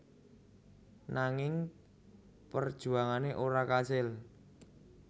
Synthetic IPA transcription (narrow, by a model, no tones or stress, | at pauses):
naŋɪŋ | pərd̥ʒ̥ṳaŋaneʔoɾakasɪl